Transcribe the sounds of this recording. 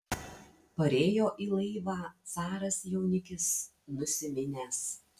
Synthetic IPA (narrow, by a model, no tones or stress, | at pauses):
pɐɾʲeːjoːʔiːlˠɐɪʋɑːt̪sɑːɾɐsjɛʊnʲɪkʲɪs | nʊsʲɪmʲɪnʲeːs